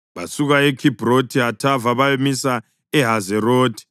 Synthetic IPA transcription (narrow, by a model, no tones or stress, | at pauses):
βasuɣaɛkʰib̥ʱrotʰiɦatʰavaβajemisa | ɛɦazɛroːtʰi̥